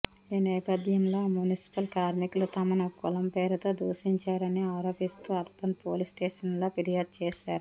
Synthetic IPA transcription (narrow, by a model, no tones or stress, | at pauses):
iːnɛːpɐd̪ʱjɐmlo̞ːmjunisi̥pɐlkaːɾmiklut̪ɐmɐnɐkulɐmpeːɾɐt̪o̞ːd̪uːʃiɲt͡ʃaːɾɐniɐːɾopist̪uɐɾpɐnpoːlisʈeːʂɐnloːpiɾijaːd̪̚t͡ʃeːʃaːɾu